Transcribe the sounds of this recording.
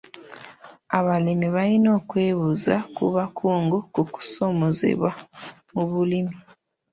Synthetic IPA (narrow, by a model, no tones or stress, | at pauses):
aβalimiβalino̞ːkwe̞ːβuzakuβakʰuːŋɡukuku̥so̞mozḛβwa | muβulimi